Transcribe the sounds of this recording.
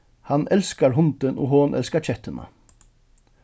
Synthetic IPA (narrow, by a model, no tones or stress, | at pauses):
hɑnɛlskɑɹɦʊnt̪ənʔo̰ːɦoːnʔɛ̰lskat͡ʃʰɛt̪ənɑ̰